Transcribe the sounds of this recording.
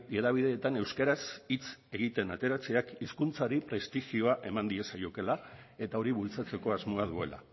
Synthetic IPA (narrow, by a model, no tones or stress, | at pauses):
eðaβ̞iðe̞ːt̪ane̞wskeɾasit͡se̞ɣit̪e̞nat̪e̞ɾat͡se̞akiskunt͡saɾipɾe̞st̪ixio̞aʔe̞mand̪ie̞sajoke̞lae̞t̪ao̞ɾiβult͡sat͡se̞ko̞azmo̞að̞ue̞̰la̰